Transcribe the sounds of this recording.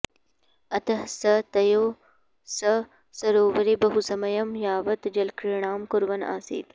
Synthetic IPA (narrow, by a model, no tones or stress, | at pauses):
ɐt̪ɐɦsɐt̪ɐjoː | sɐ | sɐɾoːwɐɾibɐɦusɐmɐjɐmjaːʋɐt̪d͡ʒɐlkɾiɳaːmkʊɾwɐna̰ːsḭːt̪